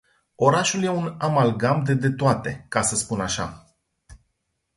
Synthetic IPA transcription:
o̞ɾaʃulje̞unamalɡamd̪ed̪e̞t̪oat̪e̞kasəspunaʃa̰

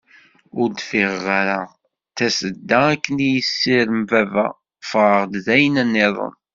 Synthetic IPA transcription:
ʊɾd̪fiʁʁaɾa | θæsəd̪ːæækːənijəsːiɾmvævæ̰ | fʁəʁd̪zæjənænːɪðˤə̰n

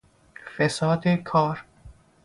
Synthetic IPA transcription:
fesɒːd̪ekʰɒːɾ

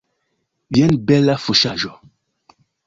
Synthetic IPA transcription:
bjɛnbɛlafuʃaʒɔ

